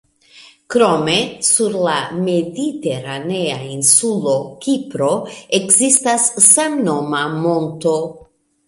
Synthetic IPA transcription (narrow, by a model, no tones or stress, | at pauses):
kɾo̞me̞suɾlame̞dite̞ɾane̞ainsulo̞kipɾo̞e̞kzistasːemno̞mamo̞nto̞